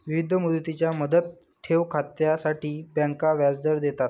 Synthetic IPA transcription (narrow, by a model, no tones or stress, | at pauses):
ʋiʋid̪ʱəmud̪ət̪it͡ɕjaməd̪ət̪ʰː | eʋkʰat̪jasaʈiːbjãŋkaʋjad͡zd̪əɾd̪et̪at̪